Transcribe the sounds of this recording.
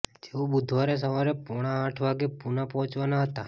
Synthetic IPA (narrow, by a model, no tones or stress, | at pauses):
d͡ʒeobʊd̪ʱʋaɾes̬əʋaɾepɔɽ̃aːʈʰʋaɡepunapɔɦɔ̃t͡ʃʋanaɦət̪a